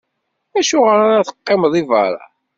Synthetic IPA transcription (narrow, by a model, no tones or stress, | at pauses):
æʃʊʁəɾaɾaθə̥qːemðˤivɑ̰ɾˤɑ̰